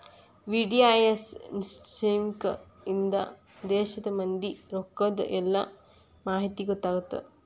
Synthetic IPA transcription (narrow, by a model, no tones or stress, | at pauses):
ʋiɖiajɐssʈiːmk | ind̪ɐ̰ | d̪ɛːʃɐd̪ɐmɐnd̪iɾokːɐd̪ɐ̰ʔɛlːɐ | maːɦit̪iɡot̪ːaːɡut̪ːḛ